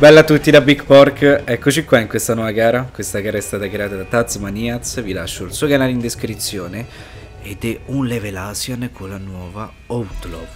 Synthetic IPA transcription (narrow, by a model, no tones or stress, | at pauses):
bɛlːat̪ːut̪ːid̪abikpɔɾkɛkːot͡ʃikwaiŋkwest̪anwɔvaɡaːɾakwest̪akaːɾaɛst̪aːt̪akɾeaːt̪ad̪at̪at̪smaniat̪svilaʃːoilsujkanaːlind̪eskɾit̪sːjoːne | ed̪ɛunlevelasjankʰolanwɔva | owt̪lo